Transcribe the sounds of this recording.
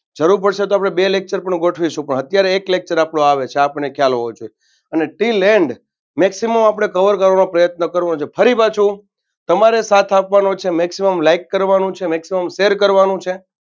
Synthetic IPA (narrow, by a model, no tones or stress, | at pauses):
d͡ʒəɾuɾpəɽʃet̪oapɽ̃ebelek̚t͡ʃəɾpəɳɡoʈʰʋiʃũpəɳət̪jaɾeːklek̚t͡ʃəɾapɳoaʋet͡ʃʰeapnekʰjalɦod͡ʒoe | əneʈileɳɖ | mɛksiməmapɳ̃ekəʋəɾkəɾʋanopɾəjət̪nəkəɾʋanõt͡ʃʰefʰəɾibat͡ʃʰũ | t̪əmaɾesat̪ʰapʋanot͡ʃʰemɛksiməmlaikːəɾʋanũt͡ʃʰemɛksiməmʃeɾkəɾʋanũt͡ʃʰe